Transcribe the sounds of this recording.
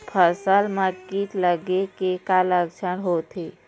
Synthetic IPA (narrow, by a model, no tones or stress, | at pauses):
pʰəsəlməɾkit̪ləɡekekaləɡt͡ʃʰənɦot̪ɦe